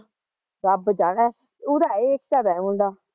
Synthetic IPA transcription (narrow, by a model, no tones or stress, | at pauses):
ɾəbd͡ʒaːɽɛː | ʊːd̪aːeːkt͡ʃaːd̪aːũːnd̪aː